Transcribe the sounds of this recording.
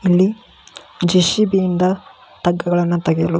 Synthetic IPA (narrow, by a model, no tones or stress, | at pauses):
ilːi | d͡ʒiʃibijind̪ɐ | t̪ɐɡːɐɡɐɭɐnːut̪ɐɡejɐlu